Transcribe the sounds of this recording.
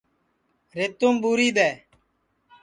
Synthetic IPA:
ɾeːt̪uːmɓuːɾiːd̪eː

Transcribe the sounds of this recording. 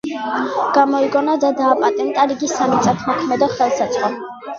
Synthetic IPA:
ɡ̥amɔiɡɔnad̪ad̪aːpʼat̪ʼɛnt̪ʼaɾiɡisːamit̪sʼat̪ʰmɔkʰmɛd̪ɔχɛlˠsat̪sʼχʼɔ

